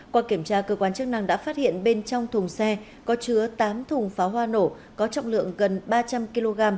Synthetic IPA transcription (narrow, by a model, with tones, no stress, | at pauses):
kwaː˧ki˧˩əmt͡ɕaː˧kəː˧kwaː˧nt͡ɕk̚na˧ŋɗa̰ː˧˥faː˦˥t̚hḭ˧˨ənɓe˧nt͡ɕɔ˧wŋ͡mt̪ʰʊ˨˩ŋ͡msɛ˧ | kɔ˨˦t͡ɕɨ˨˦ət̪aː˨˦mt̪ʰʊ˨˩ŋ͡mfaː˨˦wɦwaː˧no˧˩ | kɔ˨˦t͡ɕɔ̰˧˨wŋ͡mlɨ̰˧˨əŋɣə˨˩nɓaː˧t͡ɕa˧mki˧lo˧ɣaː˧m